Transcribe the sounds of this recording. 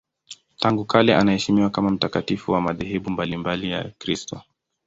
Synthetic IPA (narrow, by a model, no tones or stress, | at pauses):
taŋɡukalɛʔanahɛʃimiwakamam̩takatifuwamaðɛɦɛɓumbalimbalija̰kɾistɔ